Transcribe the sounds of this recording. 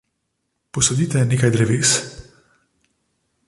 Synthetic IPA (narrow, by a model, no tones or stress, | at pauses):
pɔsɔd̪it̪ɛneːkajd̪ɾɛʋeːs